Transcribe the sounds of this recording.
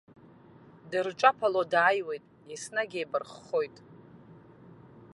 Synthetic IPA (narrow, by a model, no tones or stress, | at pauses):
dɨrʈ͡ʂʷʼapʰalodaːjwe̞jtʼ | isnaɡʲejbɨrχːo̞jtʼ